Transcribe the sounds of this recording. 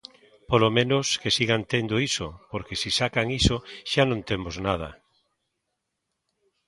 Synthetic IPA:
polomẽnoskesiɣant̪end̪oiso̰poɾkesisakaŋisoʃanõnt̪emoznað̞ɐ̰

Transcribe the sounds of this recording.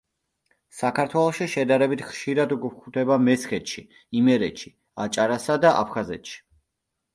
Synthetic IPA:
sakʰaɾt̪ʰwɛlˠɔʃiʃɛd̪aɾɛbit̪ʰχʃiɾad̪uɡkʰut̪ɛbamɛsχɛt̪ʃi | imɛɾɛt̪ʃi̥ | a̰t͡ʃʼaɾasad̪aʔa̰pʰχazɛ̰t̪ʃi̥

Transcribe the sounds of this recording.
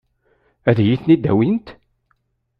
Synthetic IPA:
æðjiθnid̪ːæ̰wint̪

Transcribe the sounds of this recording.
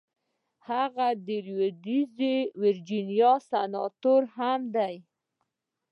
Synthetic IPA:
haɣad̪əɾjod̪izewɪɾd͡ʒinjɑsanɑ̰t̪oɾhamd̪aj

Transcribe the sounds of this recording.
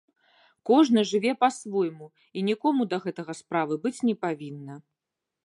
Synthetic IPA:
kɔʐnɐʐɨvʲɛpasvɔjmu | inʲikɔmud̪ɐɣɛt̪ɐɣɐspɾavɨbɨt͡sʲnʲɛpavʲinːɐ

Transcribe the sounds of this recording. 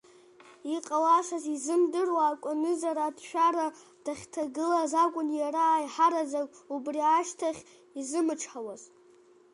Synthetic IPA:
iqʼawaʂazizɨmdɨrwaːkʷʼʊnɨzaɾaːdʃᶣaɾa | d̥aχʲtʰaɡɨlazakʷʼʊnjaɾaːjħaɾazakʼubriaʃtʰaχʲ | izɨmɨʈ͡ʂʰħawaz

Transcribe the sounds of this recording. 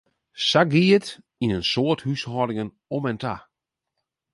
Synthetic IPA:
saɡiət | inənsoəthyshɔdɪŋən | ɔmɛntʰa̰

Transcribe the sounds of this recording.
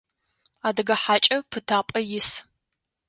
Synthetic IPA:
aːdɐɡɐħaːt͡ʃʼɐpʰɨtʰaːpʼɐjɪs

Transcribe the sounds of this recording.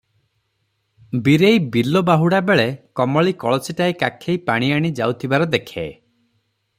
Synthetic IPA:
biɾejbilɔbaɦuɽabeɭekɔmɔɭikɔɭɔsiʈaekakʰejpaɽ̃iaɽ̃id͡ʒa̰wt̪ʰibaɾɔd̪ekʰḛ

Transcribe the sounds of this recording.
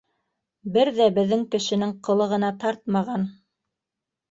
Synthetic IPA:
bɘɾðæbɘ̆ðːɘŋkɘ̆ʃɘ̆nɘŋqɤ̆lˠɤ̆ʁɤ̆nɑt̪ɑɾt̪̚mɑʁɑn

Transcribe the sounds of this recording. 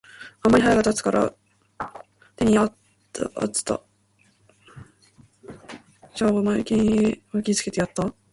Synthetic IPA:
amːaɾʲihɦajaɡat̪at͡sɨ̥kaɾʔa̰ | t̪eɲ̟iat̪ː | ʔa̰t͡sɨ̥t̪a̰ | d͡ʑaomakʲiɲiakʲit͡sɨ̥ke̞t̪ejat̪ːa

